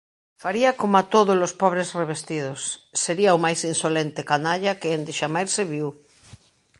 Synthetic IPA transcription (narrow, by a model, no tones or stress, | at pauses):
faɾiakomat̪oðolospɔβ̞ɾezreβ̞est̪ið̞osːeɾiaomajsinsolent̪ekanaʎakeend̪eʃamajɾseβiw